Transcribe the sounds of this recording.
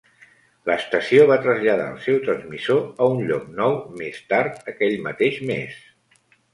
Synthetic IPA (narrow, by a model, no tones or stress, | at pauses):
ləst̪əsioβ̞at̪ɾəzʎəða̰ə̰lˠsɛwt̪ɾənzmizoəunʎɔk̚nɔwmest̪aɾt̪əkɛʎmə̰t̪eʃmḛs